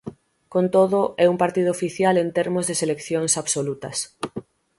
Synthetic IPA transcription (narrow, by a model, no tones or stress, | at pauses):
kont̪oðʊʔɛumpaɾt̪ið̞ʊːfiθjalent̪eɾmʊzðeselekθjoŋsaβsolut̪ɐs